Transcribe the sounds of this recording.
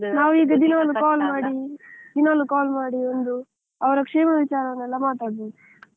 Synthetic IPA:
naːʋuiːɡɐd̪inɐʋɐlːukaːlmaːɽid̪inɐʋlːukaːlmaːɽiond̪u | ɐʋɐɾɐkʂeːmɐʋit͡ʃaːɾɐʋɐnɛlːɐmaːʈ̪aːɽbeːd̪u

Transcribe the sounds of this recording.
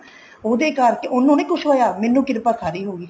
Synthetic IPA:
oːd̪eːkaɾkeʔʊnːõːnẽːkʊʃʰʋaːjaːmɛːnːũːkɪɾpaːsaːɾiːɦoːɡiː

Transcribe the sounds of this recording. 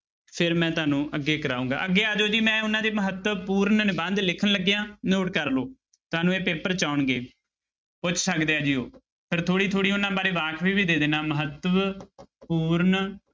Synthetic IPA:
pʰɪɾmɛ̃ːt̪ʊaːnũːʔəɡːeːkəɾaːũːŋɡa̰ːəɡːeːaːd͡ʒoːd͡ʒiːmɛ̃ːʊnãːd̪eːməɦət̪ːəpuːɾnnɪbənd̪lɪkʰənləɡːejãːnoːʈkəɾloː | t̪ʊaːnũːeːpeːpəɾt͡ʃaːʊnɡeː | pʊt͡ʃʰsəkd̪eːaːd͡ʒiːo̰ː | pʰɪɾt̪ʰoːɽiːt̪ʰoːɽiːʊnãːbaːɾeːʋaːkʰʋiːbiːd̪eːd̪eːnaːməɦət̪ːəʋpuːɾn

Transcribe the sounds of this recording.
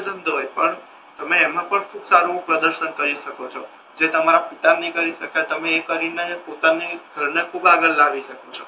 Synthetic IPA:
d̪ənd̪ʱoepəɳ | t̪əmeːmãpəɳkʰuksaɾũpɾəd̪əɾʃənkəɾiʃəkot͡ʃʰɔ | d͡ʒet̪əmaɾapit̪anəɦĩkəɾiʃəkajt̪əmeːkəɾinepot̪aneɡʱəɾɳekʰubaɡəlːaʋiʃəkot͡ʃʰɔ

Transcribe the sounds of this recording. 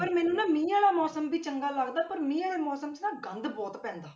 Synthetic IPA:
pəɾmɛːnũːnãːmĩːãːlaːmɔːsəmbiːt͡ʃəŋɡaːləɡd̪aːpəɾmĩːaːɽeːmɔːsəmt͡ʃnãːɡənd̪bɔːt̪pɛ̃ːnd̪aː

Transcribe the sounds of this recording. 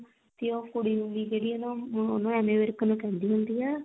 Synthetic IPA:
t̪ɪõːpʊɽiːɦʊnd̪iːd͡ʒeːɽiːonõonõːɛːmeːʋəɾknũːkɛ̃ːnd̪iːɦʊnd̪iːɛː

